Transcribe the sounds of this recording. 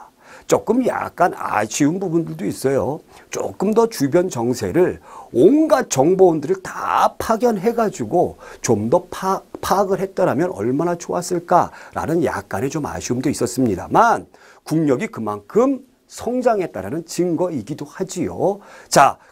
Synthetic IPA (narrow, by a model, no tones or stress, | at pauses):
t͡ɕ͈ok͈ɯmja̰k̚k͈ana̰ɕʰiunbubundɯɭdois͈ʌjo | t͡ɕ͈o̰k͈ɯmdʌt͡ɕubjʌnt͡ɕʌŋsʰe̞̰ɾɯɭonɡat͡ɕʌŋboundɯɾɯɭta̰pʰaɡjʌnɦe̞ɡad͡ʑuɡot͡ɕomdʌpʰpʰaɡɯɭɦe̞t̚t͈aɾamjʌnʌ̰ɭmanat͡ɕʰoas͈ɯɭk͈a̰ɾa̰nɯnja̰k̚k͈ane̞t͡ɕoma̰ɕʰiumdois͈ʌs͈ɯmɲida̰man | kuŋɲʌɡikɯmankʰɯm | sʰʌŋd͡ʑaŋe̞t͈aɾanɯnt͡ɕiŋɡʌiɡidohad͡ʑio̰t͡ɕa